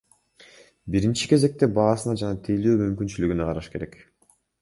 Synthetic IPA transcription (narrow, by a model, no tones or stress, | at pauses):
biɾint͡ʃi̥ke̞ze̞k̚t̪e̞bɑːsɯnɑd͡ʒɑnɑt̪ʰejløːmymkynt͡ʃylyɡyneqʰɑɾɑʃke̞ɾe̞̰k